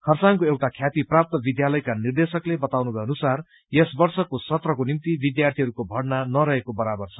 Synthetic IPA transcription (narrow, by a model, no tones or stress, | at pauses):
kʰʌrsaŋkoewʈakʰjat̪iprap̚t̪ʌbid̪jalʌjkanird̪esʌklebʌt̪awnubʱʌʌnusar | jesbʌrsʌkosʌt̪rʌkonimt̪ibid̪jart̪ʰiɦʌɾukobʱʌɽnanʌɾʌɦekobʌɾabʌrt͡sʰʌ̥